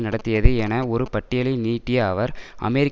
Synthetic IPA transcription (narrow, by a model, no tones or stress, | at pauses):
nɐɽɐt̪ːɪjɐðɯɛnɐɔɾɯpɐʈːɪjɐlɐɪniːʈːɪjɐːʋɐɾɐ̰mɛɾɪkː